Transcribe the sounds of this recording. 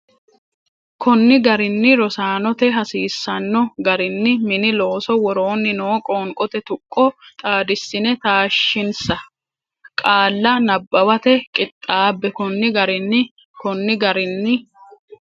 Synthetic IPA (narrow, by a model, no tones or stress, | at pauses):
kʰɔnːɪɡɐɾɪnːɪɾɔsaːnɔt̪ɛɦɐsiːsːɐnːɔɡɐɾɪnːɪmɪnɪlo̞ːsɔwɔɾoːnːɪno̞ːkʼoːŋkʼɔt̪ɛt̪ʊkʼːɔt̪ʼaːd̪ɪsːɪnɛt̪aːʃːɪnsɐ | kʼaːlːɐnɐbːɐwɐt̪ɛkʼɪt̪ʼːaːbːɛkɔnːɪɡɐɾɪnːɪ | kɔnːɪɡɐɾɪnːɪ